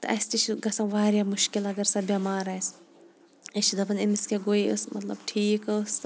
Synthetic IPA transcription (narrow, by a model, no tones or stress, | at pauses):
t̪ɐʔɐst̪it͡ʃʰiɡɐsãʋaːɾjaːmʊʃkilɐɡɐɾsɐbaːmaːɾaːs | ɐʃid̪ɐbɐnimiskeɡoiə̰smɐt̪lɐ̰bʈʰiːkɐs